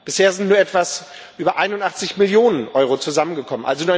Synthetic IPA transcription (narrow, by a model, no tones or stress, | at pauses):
b̥ɪsheːɐzɪntnuːɐʔɛtv̥as | ʔyːbɐʔaɪnʊntʔaχt͡sɪçmɪljoːnənʔɔʏʁ̞ot͡suzamənɡəkʰɔmənʔalzonuːɐ